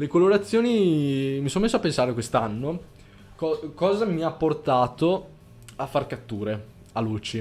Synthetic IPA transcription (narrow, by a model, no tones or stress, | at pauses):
lekoloɾat̪sːjoːnimisonomesːoapensaːɾekwest̪anːo | kɔkɔːzamiapːort̪aːt̪o | afːarkat̪ːuːɾe | aluːt͡ʃi